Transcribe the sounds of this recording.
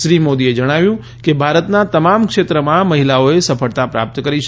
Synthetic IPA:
ʃɾimod̪ied͡ʒəɽ̃aʋjũ | kebʱaɾət̪nat̪əmamkʂet̪ɾəmãməɦilaoesəfəɽt̪apɾa̰p̚t̪kəɾiʃ

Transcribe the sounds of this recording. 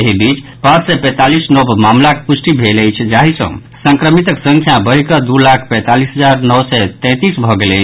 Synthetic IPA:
eɦibit͡ʃpãt͡ʃsɛpɛ̃t̪alisnobmamlakepusʈibʱeləjt͡ʃʰd͡ʒaɦisə̰̃ | sə̃ŋkɾəmit̪əksə̃ŋkʰjabəɦikəd̪ulakʰpɛ̃t̪alisɦəd͡ʒaɾnəwsɛt̪ɛ̃t̪isbʱɔɡelə̰jt͡ʃʰ

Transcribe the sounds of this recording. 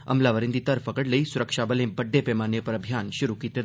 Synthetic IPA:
ə̰mlaʋəɾɪ̃nd̪it̪əɾfəkəɽləisʊɾəkʃabəlẽbəɖːepɛmanjəpəɾəbʱijanʃʊɾukit̪ə

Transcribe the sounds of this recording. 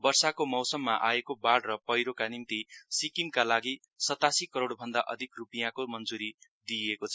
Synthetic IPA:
bʌrsakomʌwsʌmːaʔaekobaɽrʌpʌjɾokanimt̪isikimkalaɡi | sʌt̪asikʌɾoɽbʱʌnd̪aʔʌ̰d̪ʱikrupijãkomʌnd͡zuɾi | d̪iekot͡sʰʌ

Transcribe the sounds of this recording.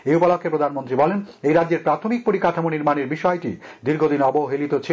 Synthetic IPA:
eupalokʰːepɾod̪ʱanmont̪ɾibɔlenejɾadd͡ʑeɾpɾat̪ʰomik̚poɾikaʈʰamoniɾmaneɾbiʃɔeʈid̪iɾɡʱod̪inɔboɦelit̪ot͡ɕʰ

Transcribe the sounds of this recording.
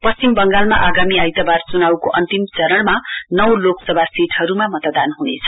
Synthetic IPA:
pʌst͡simbʌŋɡalmaʔaɡamiajt̪abart͡sunawkoʔʌnt̪imt͡sʌɾʌɽmanʌwloksʌbʱasiʈɦʌɾumamʌt̪d̪anɦunḛt͡sʰʌ̥

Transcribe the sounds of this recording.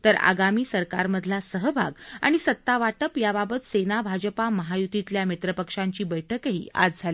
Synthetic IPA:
t̪əɾa̰ɡamiːsəɾka̰ɾməd̪ʱlasəɦəbʱa̰ɡa̰ɽ̃isət̪ːaʋaʈəpjababət̪senabʱad͡ʑpaməɦajut̪it̪ljamit̪ɾəpəkʂaɲt͡ɕiːbəjʈʰəkɦḭːa̰d͡zd͡zʱali

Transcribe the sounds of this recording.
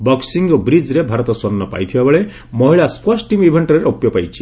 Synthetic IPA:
bɔksiŋɡɔbɾid͡ʒɾebʱaɾɔt̪ɔswɔnːɔpa̰jt̪ʰibabeɭe | mɔɦiɭaspʰɔsʈʈimibʱeɳʈɔɾeɾɔpjɔpajt͡ʃʰi̥

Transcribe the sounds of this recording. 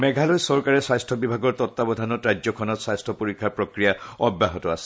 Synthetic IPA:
mɛɡʱalojsɔɹkaɹɛsajstʰɔbibʱaɡɔɹtɔtːabɔdʱanɔtɹajd͡ʑzɔkʰɔnɔtsajstʰɔpoɹikʰːaɹpɹɔkɹijaɔbːaɦɔtɔasɛ̥

